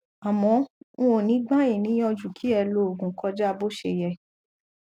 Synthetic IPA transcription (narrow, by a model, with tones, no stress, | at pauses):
a˨mɔ̃˨˧˦o˨nĩ˨˦ɡ͡bã˦jĩ˦˨nĩ˨˦j̃ɔ̃˧d͡ʒu˨kʰi˨˦ɛ˧˨lo˦o˨ɡũ˨˦kɔ˧d͡ʒa˦˧bo˦ʃe˧˨jɛ˧˨